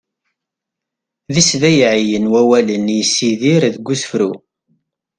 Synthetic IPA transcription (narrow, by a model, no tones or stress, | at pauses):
ðisðæjʕijənwæwælənjəsːiðiɾðɡʷːusfɾu